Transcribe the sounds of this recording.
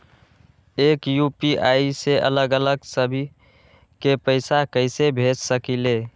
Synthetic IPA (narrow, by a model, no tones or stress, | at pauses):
ekjupiaiseʔə̰ləɡələɡsəbʱi | kepəɪsakəɪsebʱed͡ʒsəkile